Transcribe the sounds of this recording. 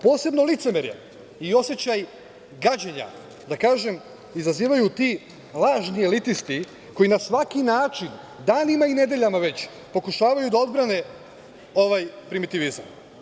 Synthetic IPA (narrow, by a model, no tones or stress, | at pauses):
po̞ːse̞bno̞lit̪se̞meɾjḛ | io̞set͡ɕaj | ɡad͡ʑeɲa̰ | d̪akaːʒe̞m | izaziːʋajut̪i | lˠaːʒnie̞lit̪ist̪i | ko̞jinasʋakinaːt͡ʃin | d̪aːnimaine̞d̪e̞ʎamaʋe̞t͡ɕ | po̞kuʃaːʋajud̪ao̞d̪bɾane̞ | o̞ʋajpɾimit̪iʋiza̰m